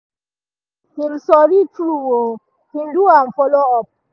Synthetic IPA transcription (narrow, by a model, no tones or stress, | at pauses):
hilsɔɾitɾuwo | hinduamfɔlɔɔp̚